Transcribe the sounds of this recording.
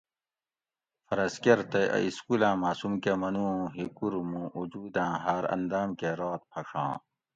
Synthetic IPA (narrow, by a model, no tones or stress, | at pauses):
fɐɾɐskeɾt̪ɐɐ̰iskulãːmaːsumkemɐnũːɦikuɾmũʔud͡ʑuːd̪ãːɦaːɾɐ̰nd̪aːmkeɾoːt̪̚pʰɐʂʰã̰ː